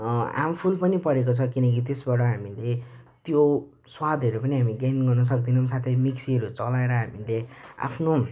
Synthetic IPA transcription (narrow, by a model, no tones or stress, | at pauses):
a̰mpʰulpʌnipʌɾekot͡sʰʌkinʌkit̪̬esbaɾʈʌɦamilet̪jo | swad̪ʱʌɾupʌniɦamiɡanɡʌrnʌs̬ʌk̚d̪inʌmsat̪ʰʌmiksiɦʌɾut͡sʌlaeɾʌɦamilea̰pʰno